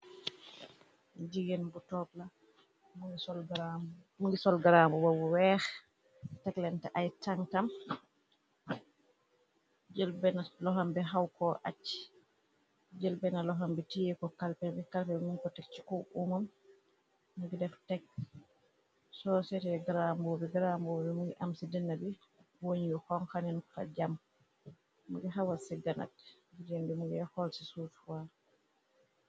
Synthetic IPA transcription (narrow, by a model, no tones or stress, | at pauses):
d͡ʒiɡɛnbutɔpla | ɔɡa | muŋɡisɔlɡaɾamubawuwɛx | tɛklɛntɛʔajtaŋtam | d͡ʒɛlbɛnalɔɦambɛɦawkɔʔa̰t͡ʃːi̥ | d͡ʒɛlbɛnalɔɦambɛtijɛkɔkalpɛbɛkalpɛbɛmunkɔtɛk̚t͡ʃi̥kɔʔumam | nɡɛdɛftɛk̚ | sɔsɛtɛɡɾambobɛɡɾambobɛmuɡʔamsidɛnːabɛ | woɲijɔhɔŋkaninfa̰d͡ʒam | muɡɛɦawasɛɡana̰tɡiɾɛmbɛmuɡɛhɔlsisufwa